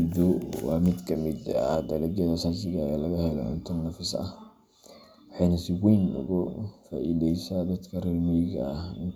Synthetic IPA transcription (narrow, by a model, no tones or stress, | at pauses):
d̪ɔwɑːmɪd̪kʰɐmɪd̪ɐd̪ɐlɐɡɛðɐsaːsɪɣaːalɐɣɐhɛlɔ̰ʕʊ̰nt̪ʰɐnːɐfɪsɐ̰ | wħɑjnɐsɪɡɛjnʊ̰ɣʊfa̰ːʔḭdɛjsaːd̪ɐd̪kʰɐrɪlmɛjɣɐhɪn